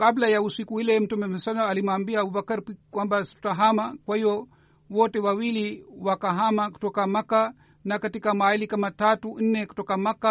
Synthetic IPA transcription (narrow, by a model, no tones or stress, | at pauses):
kablajausikuilɛm̩tumɛmɛsanaalimaːmbiaabubakaɾpikwambasi̥tu̥taɦamakwahiɔ | wɔtɛwawiliwakaɦamaku̥tɔkamaka | nakatikamailikamatatun̩nɛku̥tɔkamaka